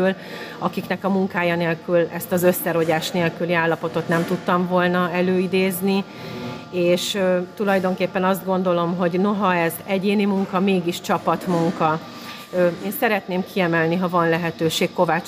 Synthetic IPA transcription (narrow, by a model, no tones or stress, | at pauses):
l | ɒkiknɛkɒmuŋkaːjɒneːlkylɛst̪ɒzø̞sːɛɾo̞ɟaːʃt̪neːlkyliaːlːɒpo̞t̪o̞t̪nɛmt̪ut̪ːɒɱvo̞lnɒɛløːid̪eːzni | eːʃt̪ulɒjd̪o̞ŋkeːpːɛnɒzd̪ɡo̞nd̪o̞lo̞mɦo̞ɟno̞ɦɒɛzɛɟeːnimuŋkɒmeːɡiʃt͡ʃɒpɒt̪muŋkɒ | eːnsɛɾɛt̪neːmkʰiɛmɛlniɦɒvɒnlɛɦɛt̪øːʃeːkko̞vat͡ʃ